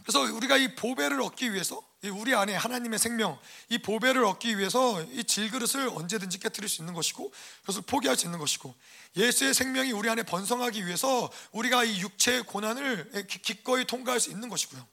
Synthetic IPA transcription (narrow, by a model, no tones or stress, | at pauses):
kɯɾesʰʌuɾiɡaipobe̞ɾɯɾʌk̚k͈iɥiɦe̞sʰʌ | iuɾiane̞hanaɲime̞sʰe̞ŋmjʌŋipobe̞ɾɯɾʌk̚k͈iɥiɦe̞sʰʌit͡ɕiɭɡɯɾɯsʰɯɾʌ̰nd͡ʑe̞dɯnd͡ʑik͈e̞tʰɯɾiɭs͈uinːɯnɡʌɕʰi̥ɡ̥okɯɾesʰʌpʰoɡiɦaɭs͈uinːɯnɡʌɕʰi̥ɡ̥o | je̞sʰue̞sʰe̞ŋmʲjʌŋiuɾiane̞pʌnsʰʌŋɦaɡiɥiɦe̞sʰʌuɾiɡaijuk̚t͡ɕʰe̞ːkonanɯɭekik̚k͈ʌitʰoŋɡaɦaɭs͈uinːɯnɡʌɕʰi̥ɡojo